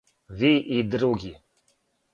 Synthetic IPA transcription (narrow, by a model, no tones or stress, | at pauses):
viʔid̪ɾuɡʲi